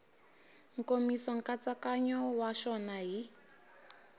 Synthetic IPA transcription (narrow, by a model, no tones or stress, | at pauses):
ŋ̩komisɔŋ̩kʼat͡sakaɲɔwaʃɔnaɦi